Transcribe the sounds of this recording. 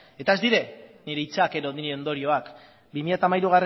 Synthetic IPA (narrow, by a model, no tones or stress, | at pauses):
e̞t̪ae̞zd̪iɾe̞niɾe̞it͡sake̞ɾo̞ðiɾeo̞nd̪o̞ɾio̞ak | bimiʎat̪aːmajɾuɣ̞are